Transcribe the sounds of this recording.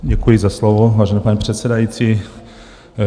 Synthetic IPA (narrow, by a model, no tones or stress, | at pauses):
ɟɛkujɪzaslovovaːʒɛnɛːpaɲipr̝̥ɛt̪sɛdajit͡si